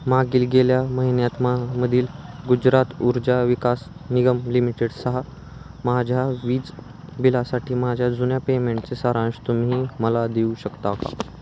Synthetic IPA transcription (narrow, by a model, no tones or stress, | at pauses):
maɡiːlɡeljaməɦinjat̪maməd̪ʱiːlɡud͡ʑɾat̪uɾd͡ʑaʋikasniɡəmlimiʈeɽsəɦa | mad͡ʑʱjaʋiːd͡z | bilasaʈʰiːmad͡ʑʱjad͡zunjapemeɳʈ̚t͡sesaɾãɳɕt̪um̤iːməlad̪euɕəkt̪aka̰